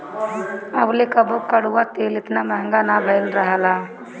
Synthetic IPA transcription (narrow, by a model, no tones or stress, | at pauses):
ɐblekəbokəɽ̤uwat̪eːlɪt̪namɛɦə̃ŋɡanabʱəlɾəɦəlaː